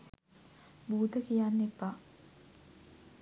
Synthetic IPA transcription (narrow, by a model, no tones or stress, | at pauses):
buːd̪əkijanːepːa